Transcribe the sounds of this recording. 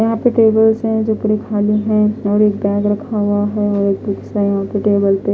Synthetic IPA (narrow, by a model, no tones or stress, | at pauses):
jɐɦãpeʈeːbəlsɦɛ̃d͡ʒoːpuɽekʰaːliɦɛ̃ɔːɾeːk̚bɛ̃ːŋɡɾɐkʰaɦʊaɦɛɔːɾeːk̚buksajɦãpeʈeːbəlp̪e